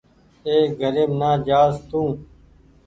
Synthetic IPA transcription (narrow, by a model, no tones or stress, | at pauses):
eːɡʱəɾeːmnaːd͡ʒaːzt̪ũː